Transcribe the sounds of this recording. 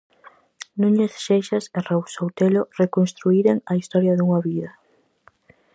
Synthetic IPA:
nũɲesʃejʃɐserawsowt̪elorekonst̪ɾuiɾeŋɐist̪ɔɾjɐðuŋɐβiðɐ

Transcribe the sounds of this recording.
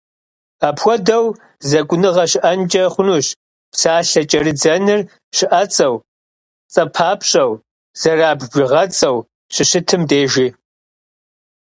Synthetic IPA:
aːpxʷɔdɐw | zɐkʷʼʊnɨʁɐɕɪʔɐnt͡ʃʼɐχʷʊnuːɕ | psaːɬɐt͡ʃʼɐrɨd͡zɐnɨr | ɕɪʔɐt͡sʼɐw | t͡sʼɐpʰaːpʰɕʼɐw | z̥ɐraːbʒɪʁɐt͡sʼɐw | ɕɪɕɨtʰɨmdeːʒi

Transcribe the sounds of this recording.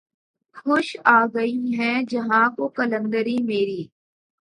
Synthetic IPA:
xʊʃaːɡɐiɦɛ̃d͡ʒɐɦãkokɐlə̃nd̪əɾimeːɾiː

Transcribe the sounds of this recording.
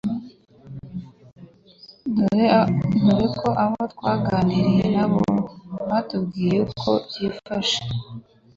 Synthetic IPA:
doɾenuɾektkʰo̞ʔaβotkwaːɡaːniɾijenaβoβatubɡiːɾekʰo̰jifaʃe̥

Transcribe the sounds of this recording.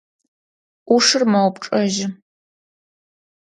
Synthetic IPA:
uʂɨrmɐwpʈ͡ʂʼɐʒɪ

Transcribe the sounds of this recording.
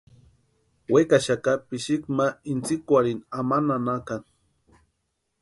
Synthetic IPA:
wekaʃakapiʃikmaint͡sikwaɾinamananakaŋ

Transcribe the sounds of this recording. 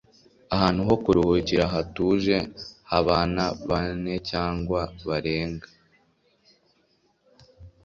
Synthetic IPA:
aɦaːn̥huɦo̞kuɾuhuːciɾaɦatuːʒe̞haβaːnaβane̞caːŋɡwaβaɾe̞ːŋɡḁ

